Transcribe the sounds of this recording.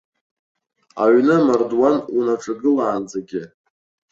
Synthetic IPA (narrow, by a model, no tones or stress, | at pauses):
a̰ɥnɨmardwanunaʈ͡ʂʰʼaɡɨlaːnd͡zaɡʲɪ